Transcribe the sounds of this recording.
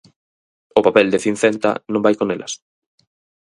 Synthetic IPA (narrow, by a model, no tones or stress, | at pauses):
ʊpapɛld̪eθin̟θɛnt̪ɐ̰nõmbajkonelʔɐs